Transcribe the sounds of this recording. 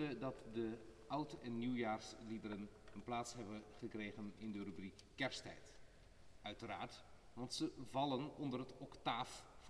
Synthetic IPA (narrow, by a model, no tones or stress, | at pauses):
ədɑtdəʔʌwtɛnːiwjaːrslidəɾənənplaːtsɦɛbənχəkrejχənɪndərøbrikːɛɹstɛ̰jt | œɥtəra̰ːɹtʋɑntsəvɑlənɔndərətɔktaːf